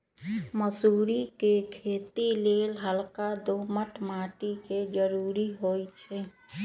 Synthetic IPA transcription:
məsuɾikekʰet̪ilelɦəlkad̪oməʈmaʈiked͡ʒəɾuɾiɦojt͡ʃʰɛ

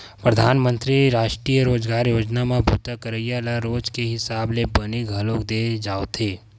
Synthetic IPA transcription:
pɾəd̪ʱaːnmə̃nt̪ɾiɾaːʃʈɾiːjəɾoːd͡ʒɡaːɾjoːd͡ʒnamẽbʱuːt̪akəɾəjalaɾoːd͡ʒkeɦɪsaːblebəniɡʱəlokd̪ed͡ʒaːot̪ʰeː

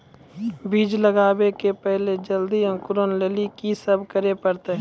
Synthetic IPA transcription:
biːd͡ʒləɡaːwekepɛɦled͡ʒəld̪iə̃ŋkʊɾoːnleːlikisɐbkəɾepəɾt̪eɦ

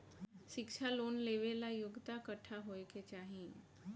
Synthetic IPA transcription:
ɕikʂʰalonleʋelajuɡt̪akəʈʰaɦojkʰet͡ɕaɦĩ

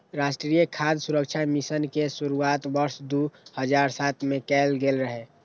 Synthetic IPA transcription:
ɾasʈɾiːjəkʰad̪suɾəkt͡ʃʰamisənkesuɾuaːt̪bəɾsd̪uhəd͡ʒaɾsat̪ʰmẽkɛːlɡelɾəɦe

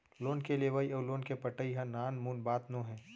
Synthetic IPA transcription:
loːnkeleʋaːiɔːloːnkepəʈːəiɦãnaːnmuːnbaːt̪nõɦɛ̃ː

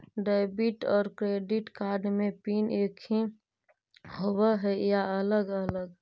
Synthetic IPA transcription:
ɖebiʈɔːɾkɾeːɖɪʈkaːɾɖmẽpiːnekʰĩ | howəɦɛjaələɡələɡ

